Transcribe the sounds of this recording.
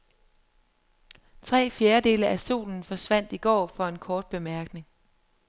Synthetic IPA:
t͡sʰʁɛ̰ːfjeːɐd̥e̝ːləʔæsṵːln̩fɒ̽sʋæn̰d̥iɡ̥ɒ̰ːfɒ̽e̝nkʰɒːd̥̚b̥e̝mæɐɡ̥ne̝ŋ

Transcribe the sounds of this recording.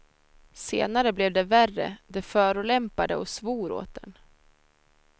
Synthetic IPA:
sḛːnaɾəblɛvd̪ɛværːə̰d̪ɛfœːɾʊlɛmpad̪əɔsvuːɾo̰ːt̪̚d̪ɛn

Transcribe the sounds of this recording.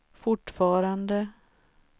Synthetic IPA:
fʊʈːfɑːɾand̪ə

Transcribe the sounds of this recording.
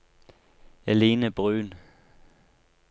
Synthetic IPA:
æle̝ːnəb̥ʁøːn

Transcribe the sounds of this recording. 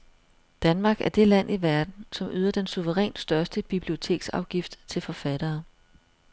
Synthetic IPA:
d̥ænmɑ̈ːɡ̥æɐd̥e̝læn̰ʔiʋæɐd̥n̩sɒ̽my̰ːð̞ˠɐd̥ensuʋəʁɛ̰ːnsd̥ɶɐsd̥əb̥ib̥lio̝t͡sʰe̝̰ːɡ̥sɑ̈ʊɡ̥ifd̥t͡sʰe̝lfɒ̽fæd̥ɐː

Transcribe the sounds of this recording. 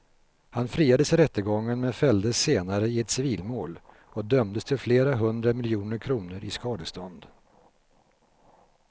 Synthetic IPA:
hanfɾiːad̪əsɪɾɛt̪ːəɡɔŋːənmɛfɛld̪əseːnaɾəɪɛt̪sɪviːlmoːl | ɔd̪œmd̪əst̪ʰɪlfleːɾaɦɵnd̪ɾamɪljuːnəɾkʰɾuːnəɾʔɪskɑːd̪əst̪ɔnd̪

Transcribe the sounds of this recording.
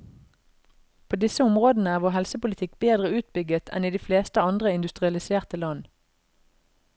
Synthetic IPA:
pʰoːd̪ɪsəʊmʁoːd̪n̩əæːʁʋoːɦɛlsəpʊlɪt̪ʰɪkbeːd̪ʁəʉːt̪̚bʏɡət̪ʰɛ̰niːd̪iːfleːst̪əɑnd̪ʁəɪnd̪ʉst̪ʁɪɑlɪseːʁt̪əlɑn

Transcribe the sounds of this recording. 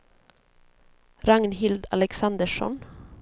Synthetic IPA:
ɾɑŋnhɪld̪ɑlɛksɑnd̪əʃɔ̰n

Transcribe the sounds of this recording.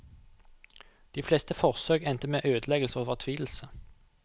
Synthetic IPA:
d̪̥iːflest̪əfɔʁsøːɡɛnt̪əmeːʔøːd̪əlɛɡəlsəoːʋɔʁt̪ʰʋiːl̩sə

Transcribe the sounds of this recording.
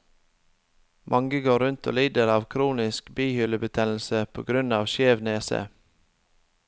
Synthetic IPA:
mʔɑŋɡəɡoːɾʉnt̪ʰo̰ːliːd̪əɾɑːʋkʰɾuːnɪskbiːhʏləbət̪ʰɛnl̩səpʰo̰ːɡɾʉnɑːʋʃeːʋneːsə̰

